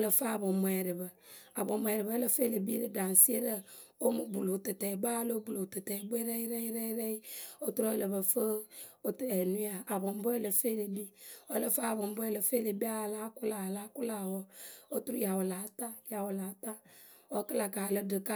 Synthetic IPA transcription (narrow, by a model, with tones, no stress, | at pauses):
lə˨fa˦˨bo˨m˨ɛ˨ɾə˨bə˨ | a˨bo˨mo˨ɛ˨ɾi˨bə˦lə˨fe˦lə˨bi˦lə˨da˨n˨si˦e˦ɾə˦ | o˦mu˨bu˨lo˨tɨ˨tɛ˨ba˦lo˦bu˨lo˨tə˨tɛ˨be˦ɾe˦ji˦ɾe˦i˦ɾe˦ɾe˦i˦o˦tu˦ɾo˦lə˨bə˨fə˦o˨tɛ˨nu˦a˨a˨bo˨m˦bo˦e˦˨lə˨fe˦le˨bi˦ɔ˦lə˦fa˦˨bo˨m˦bɔ˦e˦lə˨fe˦le˨bi˦a˦˨la˦kʊ˦la˨la˨˦ku˦la˨wɔ˦o˦tu˦ɾu˦ja˨wo˨la˨˦ta˦ja˨wo˨la˨˦ta˦ | o˦kə˦la˨ka˨lə˦dɨ˨ka˦